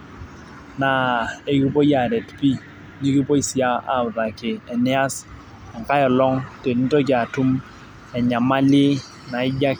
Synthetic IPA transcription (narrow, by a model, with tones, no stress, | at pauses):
na˨e˦ki˦po˦ja˨ɾe˨tpi˦ | ɲi˦ki˦po˦i˦si˨a˦a̰˦˨ʊ˨ða˨kɪ˨ɛ˨nɛ˦a˦s | a˨ŋ˨ka˦jɔ˨lɔ˦ŋte˨ni˦to˦k̬ɪ˨a˨tu˦m | ɛ˨ɲa˨ma˦lɪ˦ | na˨ɪ˦d͡ʒa˦